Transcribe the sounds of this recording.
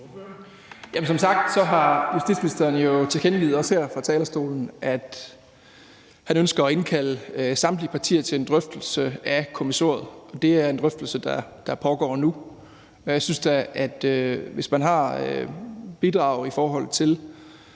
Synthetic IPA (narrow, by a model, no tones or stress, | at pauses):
jæmensɒ̽msɑ̈ɡ̥̚d̥sɒ̽ɦɑ̈jusd̥ḭd̥sminisd̥eɐn̩jo̝t͡sʰe̝lɡenɡḭːð̩ˠɒ̽shæɐ̰fʁɑ̈t͡sʰɛːlɐsd̥o̝̰ːln̩ʔæd̥ | hænønsɡ̥ɐɒ̽e̝nkʰæləsɑ̈md̥lipʰɑ̈t͡sʰḭːɐt͡sʰe̝le̝nd̥ʁœfd̥l̩səækʰo̝miso̝̰ːɐðˠɒ̽d̥e̝æɐe̝nd̥ʁœfd̥l̩səd̥ɑd̥ɑ̈pʰɒ̽ɡ̥ɒ̰ːnu | jɪsynsd̥ææd̥øʋe̝smænɦɑ̈øb̥id̥ʁɑ̈ʊifɒːɦɒ̽l̰ˠt͡sʰe̝l